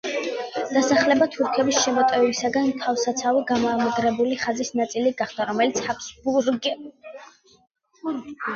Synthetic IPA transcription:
d̪̥asaχlɛbat̪ʰuɾkʰɛbisʃɛmɔt̪ʼɛvisaɡant̪ʰavsat̪sʰaviɡamɔamɛɡɾɛbuliχazisnat̪sʼiliɡaχd̪̥aɾɔmɛlit̪sʰhapʰsbuɾɡ

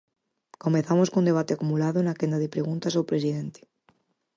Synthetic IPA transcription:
komeθamoskond̪e̞β̞at̪eakumulaðonakend̪aðepɾeɣunt̪asawpɾesiðent̪e̥

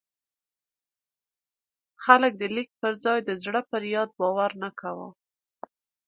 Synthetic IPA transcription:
xalək̚d̪əlik̚pəɾzɑjd̪əzɽəpəɾjɑd̪̚bɑwaɾnakawə̰

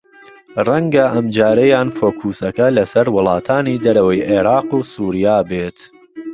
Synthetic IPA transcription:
rɐŋɡɐʔɐmd͡ʒaːɾɐjaːnfoːkʰuːsɐkɐlɐsɐɾwʊlˠɑːt̪ʰaːnid̪ɐɾɐwɐjʔeːɾɑːquːsuːɾijaːbeːt̪

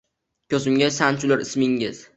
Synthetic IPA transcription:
kʲʰɵzɪmɡʲasant͡ʃʰʊlaɾɪsmɪŋɪz

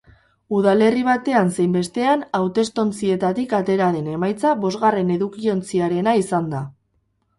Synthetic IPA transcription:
uðale̞riβ̞at̪e̞anse̞jmbe̞st̪e̞anawt̪e̞st̪o̞nt͡sie̞t̪at̪ikat̪e̞ɾaðe̞ne̞majt͡saβo̞zɣare̞ne̞ðukio̞nt͡siaɾe̞naisand̪a

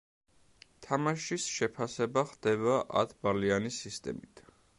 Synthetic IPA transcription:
t̪ʰamaʃisʃɛpʰasɛbaχd̪̥ɛbaʔa̰t̪ʰbalianisist̪ʼɛ̰mit̪ʰ

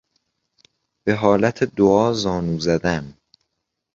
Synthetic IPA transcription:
b̥e̞ɦɒːlæt̪ʰed̪oɒːzɒːnuːzæd̪æn

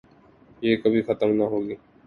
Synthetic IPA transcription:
jeːkəbʱixət̪əmnaɦoːɡiː

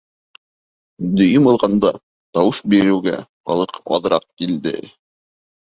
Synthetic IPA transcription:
d̪ɵ̆jɘmɤ̆lˠʁɑnd̪ɑ | t̪ɑwɤʃbiɾɘ̆wɡæ̰χɑ̰lˠɤqɑ̰ðɾɑq̚kild̪ɘ̰

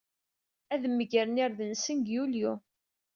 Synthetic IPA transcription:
æðmːəʝəɾnɪɾðənsənɡjulju

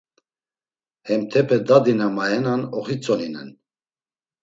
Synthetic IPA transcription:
hɛmt̪ʰɛpʰɛd̪ad̪inamajɛnanɔχit͡sʼɔninɛn

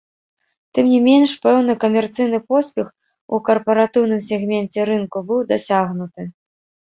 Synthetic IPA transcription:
t̪ɨmnʲimʲenʂpɛwnɨkɐmʲɛrt̪sɨjnɨpɔsʲpʲɛx | ukɐrpɐɾat̪ɨwn̪ɨmsʲɛɣmʲɛnt͡sʲɛɾɨnkubɨwd̪asʲaɣnut̪ɨ

